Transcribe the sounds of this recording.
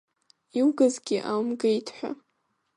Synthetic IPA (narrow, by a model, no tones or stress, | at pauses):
iwɡazɡʲɪʔamɡaitʰħʷa̰